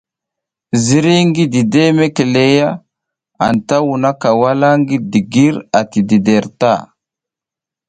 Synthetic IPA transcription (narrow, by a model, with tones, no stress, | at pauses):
zi˦ɾi˦ŋɡi˦di˨de˦me˦ke˨le˦ja˦ | a̰˨nta˦wu˨na˦ka˨wa˦la˦ŋɡi˦di˨ɡi˦ɾa˨ti˨di˨de˨ɾta̰˦˨